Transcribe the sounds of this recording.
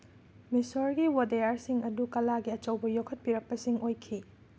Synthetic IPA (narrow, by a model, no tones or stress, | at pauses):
misoɾɡiwodejaɾsiŋɐdukɐlaɡiɐt͡ʃɐwbɐjokʰɐt̚piɾɐk̚pɐsiŋojkʰi